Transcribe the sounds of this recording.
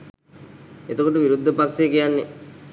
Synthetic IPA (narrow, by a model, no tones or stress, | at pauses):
et̪əkoʈəʋiɾud̪ʱːəpaksekijanːe